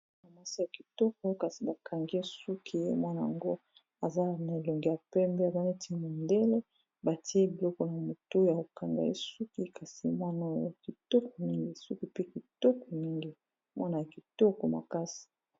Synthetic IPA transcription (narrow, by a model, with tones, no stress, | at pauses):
na˨ma˦si˦ja˨ki˨tɔ˦k̚ɔ˦jo˦ka˨si˨ba˨kʰa˨ŋɡi˦e˦su˦kʰi˦mwa˦na˨a̰˨ŋɡo˦ | a˨za˦na˨e˨lo˨ŋɡi˨ja˨pɛ˦mbe˦a˨za˦ne˦ti˦mo˨nde˦le˦ | ba˨ti˦e˦bi˨lɔ˦kɔ˨na˨mo˨to˦ja˨o˨ka˨ŋɡa̰˨ḛ˦su˦ki˦ka˨si˨mwa˦no˦˨jo̰˦a˨ki˨tɔ˦kɔ˨mi˦ŋɡi˦su˦ki˦pe˦ki˨tɔ˦kɔ˨mi˦ŋɡi˦ | mwa˦na˨ja˨ki˨tɔ˦kɔ˨ma̰˨ka˦si̥˨